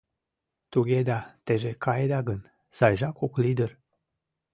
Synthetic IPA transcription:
t̪uɡʲed̪ɑt̪eʒekɑjed̪ɑɡən | z̥ɑjʒɑkoklid̪ər

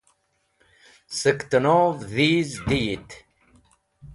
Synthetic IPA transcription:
səkt̪ənoːvðiːzd̪iːt̪

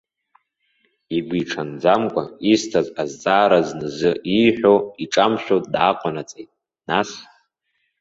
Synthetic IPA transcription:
iɡʷiʈ͡ʂʰand͡zamkʷʼaistʰazazt͡sʼaːɾaznɨzɨʔiħʷᶣoiʈ͡ʂʼamʃʷᶣotʼdaqʷʼanat͡sʼejtʼ | nas

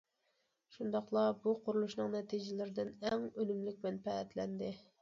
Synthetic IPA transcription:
ʃund̪ɑχlˠɑbuqʰʊɾulˠuʃnɨŋnɛt̪ʰid͡ʒɪlɪɾɪd̪ɪnɛŋønymlɪk̚ʲbɛnpʰɛɛt̪lɛnd̪ɪ

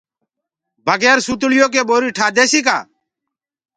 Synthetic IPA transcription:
bəɡɛːɾsuːt̪ɭɪjoːk̬eːɓoːɾiːʈʰaːd̪eːsiːka̰ː

